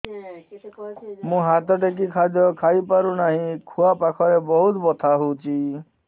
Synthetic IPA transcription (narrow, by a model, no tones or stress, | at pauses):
mũɦat̪ɔʈek̬ikʰad̪ʱjɔkʰaipaɾunaɦĩkʰuapakʰɔɾebɔɦut̪bɔt̪ʰaɦut͡ʃʰi